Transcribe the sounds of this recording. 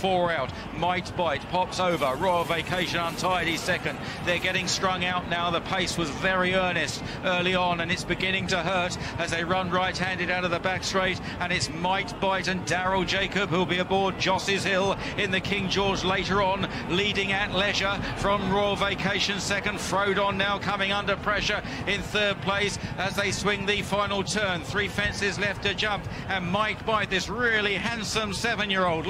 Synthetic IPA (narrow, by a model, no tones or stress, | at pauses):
fɔɹaʊt | maɪt̚b̥aɪt̚pʰɑpsoʊvə˞ɹɔɪl̩ˠveɪkʰeɪʃɨ̃nə̃ntʰaɪɾisɛkɨ̃n | ðə˞ɡɛɾɪ̃ŋstɹ̥ʌ̃ŋaʊʔⁿnaʊðəpʰeɪswʌzvɛɹiɜ˞nɨst | ɜ˞lˠiə̃nɨ̃nɨtsb̥ɨɡɪ̃nɪ̃ŋtəɦɜ˞ɾ | ɨzðeɪɹʌ̃nɹaɪt̚hæ̃ndɨɾaʊɾʌvðəbækstɹ̥eɪɾ | ə̃nɨtsmaɪt̚b̥aɪɾɨ̃ndæɹl̩ˠd͡ʒeɪkɨbhʉlˠbiɨbɔɹd̚d͡ʒɑsɪz̥hɪlˠ | ɨ̃nðɨkʰɪ̃ŋd͡ʒɔɹd͡ʒleɪɾə˞ə̃n | liɾɪ̃ŋɨtˡlɛʒə˞fɹʌ̃mɹɔɪl̩ˠveɪkʰeɪʃɨ̃nsɛkɨ̃nd̥fɹoʊɾn̩naʊkʰʌmɪ̃ŋʌ̃ndə˞pʰɹ̥ɛʃə˞ | ɪ̃nθɜ˞d̚pʰl̥eɪsəzðeɪswɪ̃ŋðɨfãɪ̃nl̩ˠtʰɜ̃˞nθɹifɛ̃nsɪzlɛftɨd͡ʒʌ̃mp | ɨ̃nmaɪt̚b̥aɪt̪̚ðɪsɹɪlˠihæ̃nsə̃msɛvɨ̃njɪɹoʊlˠd